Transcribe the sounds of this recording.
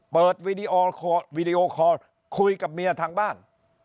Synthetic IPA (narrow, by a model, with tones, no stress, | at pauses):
pɤː˨˩t̪̚wiː˧diː˧ʔoː˧kʰɔ˧wiː˧di˧ʔoː˧kʰɔː˧ɾ | kʰu˧jka˨˩p̚mi˧ɐt̪ʰaː˧ŋbaː˥˩n